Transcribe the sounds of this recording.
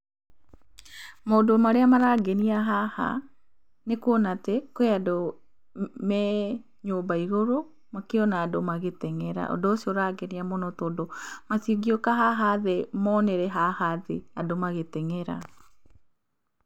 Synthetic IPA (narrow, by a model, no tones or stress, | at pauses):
maodomaɾeamaɾaɡeniaɦaha̰ | nekwɔnatɛkoeado | mɛ | ɲoːmbaiɣoɾo | makeɔnaːdomaɣetɛŋɛɾa̰ʔɔ̰doːsioɾaɡɛniamonotoːdomasiɡiokaɦaɦaðɛmɔnɛɾɛɦahaðeadomaɣetɛŋɛɾa̰